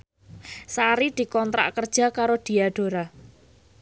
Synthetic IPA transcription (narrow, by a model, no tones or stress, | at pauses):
saɾid̪̥i̤kɔnt̪ɾa̰ʔkərd̥ʒ̥a̤kaɾod̥i̤aɖ̥o̤ɾa